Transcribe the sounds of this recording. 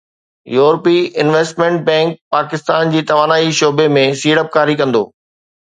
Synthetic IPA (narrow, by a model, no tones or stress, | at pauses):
juːɾpiɪnʋeːsʈmẽɳʈ̚bɛ̃ːŋk̚paːkɪst̪aːnd͡ʑiːt̪ɐʋaːnaːiʃoːbemẽsiːɽəp̚kaːɾikɐ̃nd̪oː